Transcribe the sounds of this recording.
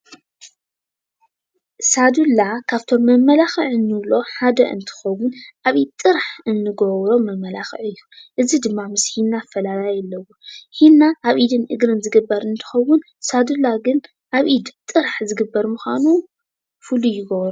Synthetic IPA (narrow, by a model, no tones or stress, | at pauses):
sad̪ulːakʰaβt̪ʰo̞mːɐmːɐlaxɨʕɨnːɨβlo̞ħad̪ɐʔɨ̰nt̪ʰɨ̥xɐwʊnʔaβʔit̪ʼːɨɾħɨnːɨɡowɾo̞mɐmːɐlaxɨ̰ʕɨjːuʔɨzid̪ɨmːamɨshinːafɐlalajɛlːɐwohinːaʔaβʔid̪ɨnʔɨɡɾɨnzɨɡɨbːɐɾɨnt̪ʰɨ̥xɐwʊn | sad̪ulaɡɨn | ʔaβʔid̪t̪ʼːɨɾħzɨɡɨbːɐɾmuxʷanu | fɨlujɪɡowɾo